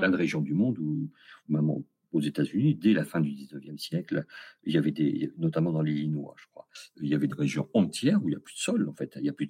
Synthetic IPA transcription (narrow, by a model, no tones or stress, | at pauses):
plɛ̃d̪əʁeʒjɔ̃d̪ymɔ̃d̪uumamɑ̰̃ | ozet̪azynid̪ɛlafɛ̃d̪yd̪iznəvjɛmsjɛkliljavɛd̪enɔt̪amɑ̃d̪ɑ̃lilinwa̰ʒ̥əkχwa̰iljavɛd̪eʁeʒjɔ̰̃ɑ̃t̪jɛːʁuiljaplyd̪ə̥sɔlɑ̃fɛt̪iljaplyd̪